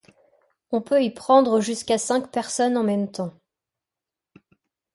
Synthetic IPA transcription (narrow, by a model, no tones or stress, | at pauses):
ɔ̃pøipχɑ̃d̪ʁəʒyskasɛ̃kpɛʁsɔnɑ̃mɛmt̪ɑ̃